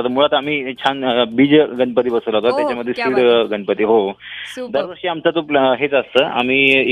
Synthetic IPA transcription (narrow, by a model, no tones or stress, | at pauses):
t̪əmuɭat̪am̤iːt͡ɕʰanbiːd͡zɡəɳpət̪iːbəsələɦot̪at̪jat͡ɕaməd̪ʱːjespiɽɡəɳpət̪iːɦod̪əɾʋəɾʂiːamt͡sat̪oɦet͡səst̪əːʔa̰m̤iː